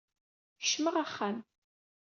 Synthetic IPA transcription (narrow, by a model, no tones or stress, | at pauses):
ʃməʁaχːan